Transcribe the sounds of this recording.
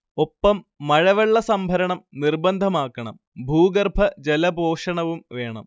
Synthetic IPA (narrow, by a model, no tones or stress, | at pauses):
o̞pːɐmː | ɐɻɐʋɐɭːɐsɐmbʱɐɾɐɳɐmnirbɐnd̪ʱɐmaːkːɐɳɐ̰m | bʱuːɡɐrbʱɐd͡ʑelɐbʱoːʂɐɳɐʋumʋe̞ːɳɐ̰m